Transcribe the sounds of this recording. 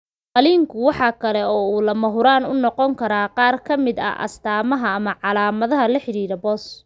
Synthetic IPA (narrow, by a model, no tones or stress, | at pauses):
qɑliːŋkʰʊwɑħɑːkʰɐlɛɔːuːlɐmɐɦʊɾaːnʊnɔqɔŋkʰɐɾaːqɑːrkʰɐmɪd̪ɐ̰ʔɐ̰st̪ʰaːmɐɦɐːmɐʕɑlaːmɐðɐɦɐlɐħɪɾiːɾɐbɔːs